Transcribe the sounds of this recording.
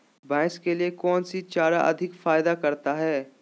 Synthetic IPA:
bɛ̃ːskeliekɔːnsit͡ʃaːɾaʔɐ̰d̪ʱɪkfaːɪd̪akɐɾt̪aɦɛː

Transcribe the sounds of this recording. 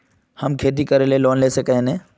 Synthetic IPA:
hɐmkʰeːt̪̬ikɐɾeleloːnleːsɐkəɦẽnẽ

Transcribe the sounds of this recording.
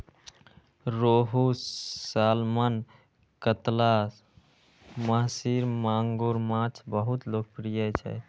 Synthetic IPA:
ɾoɦusalman | kət̪la | məɦsiɾmaŋɡoɾmãt͡ʃʰbəɦut̪lok̚pɾijət͡ʃʰɛ̰

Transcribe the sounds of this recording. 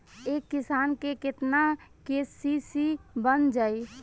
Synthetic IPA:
ekːisankeket̪nakesisibənd͡ʒaj

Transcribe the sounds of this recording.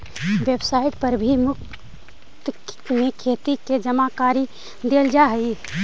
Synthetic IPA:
ʋebsaiʈ̚pəɾbʱimʊk̚ | t̪ | mekʰet̪iked͡ʒəmakaɾi | d̪eld͡ʒaɦə

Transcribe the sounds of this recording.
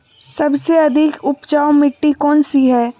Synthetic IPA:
sɐbseɐd̪ʱɪkʊpt͡ʃaːomɪʈːikɔːnsiɦɛː

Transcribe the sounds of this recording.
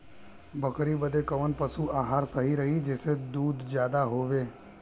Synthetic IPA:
bəkɾibəd̪ekəʋənpəsuaɦaɾsəɦiɾəɦid͡ʒesed̪uːd̪d͡ʒjad̪aɦoʋe

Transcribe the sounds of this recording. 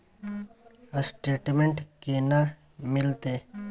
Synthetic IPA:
əsʈeːʈmẽɳʈkena | mɪlt̪eː

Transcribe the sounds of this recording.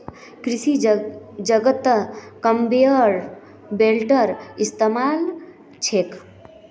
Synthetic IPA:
kɾisi | d͡ʒəɡət̪kəmbeəɾ | belʈəɾist̪emal | t͡ʃʰek

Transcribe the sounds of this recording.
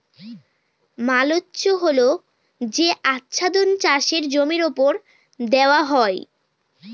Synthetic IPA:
malotːɕoɦolo | d͡ʑeʔatːʃʰad̪ont͡ɕaʃeɾd͡ʑomiɾopoɾ | d̪eoaɦɔe

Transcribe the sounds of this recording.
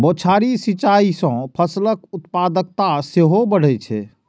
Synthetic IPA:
bot͡ʃʰaɾisit͡ʃaisə̃pʰəsləkut̪pad̪ək̚t̪aseɦobəɽ̤ɛt͡ʃʰɛ̰

